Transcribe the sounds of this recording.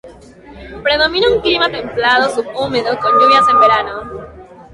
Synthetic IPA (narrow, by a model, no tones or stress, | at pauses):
pɾe̞ð̞o̞mĩnauŋklimat̪e̞mplað̞osupumeðoko̞nɟuβjase̞mbeɾano